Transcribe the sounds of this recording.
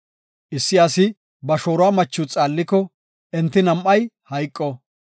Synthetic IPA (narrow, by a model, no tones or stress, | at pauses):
ʔɪsːɪasɪ | bɐʃo̞ːɾʊaːmɐt͡ʃːʊt͡sʼaːlːɪkːɔ | ɛnt̪ːɪnɐmʔɐjhɐjkʼːɔ